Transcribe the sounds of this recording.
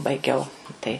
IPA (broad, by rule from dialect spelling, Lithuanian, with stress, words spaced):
bɐɪˈɡʲɛʊ tɐɪ